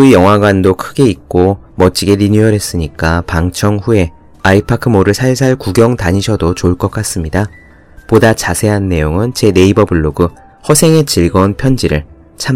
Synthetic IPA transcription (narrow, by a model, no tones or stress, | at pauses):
ɯijʌŋɦwaɡwandokʰɯɡe̞ik̚k͈o | mʌt͡ɕ͈iɡe̞ɾiɲuʌɾɦe̞s͈ɯɲik͈apaŋt͡ɕʰʌŋɸue̞ | aipʰakʰɯmoɾɯɭsʰaɭsʰaɭkuɡjʌŋtaɲiɕʰʌdot͡ɕoɭk͈ʌk͈as͈ɯmɲida | podat͡ɕasʰe̞ɦanːe̞joŋɯnt͡ɕe̞ne̞ibʌbɯɭːoɡɯ | hʌsʰe̞ŋe̞t͡ɕiɭɡʌnpʰjʌnd͡ʑiɾɯɭ | t͡ɕʰam